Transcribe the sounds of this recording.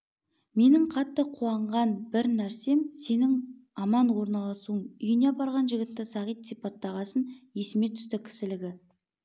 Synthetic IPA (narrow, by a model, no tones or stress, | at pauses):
me̞nɪɴqʰɑt̪ːəqʰuɑɴʁɑnbɪɾnæɾse̞mse̞nɪŋɑmɑnwo̞ɾnɑlˠɑsuəŋʏjɪnebɑɾʁɑnʒɪɡʲɪt̪ːɪsɑʁijt̪sijpɑt̪ːɑʁɑsənje̞sɪme̞t̪ʰʏ̥st̪ɪkʲʰɪ̥sɪlɪɡʲɪ